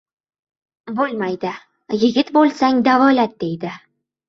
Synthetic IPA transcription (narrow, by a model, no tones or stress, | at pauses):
bolˠmajd̪ɪ | jɪ̆ɡʲɪt̪bolˠsaŋd̪avɒlat̪̚d̪ejd̪ɪ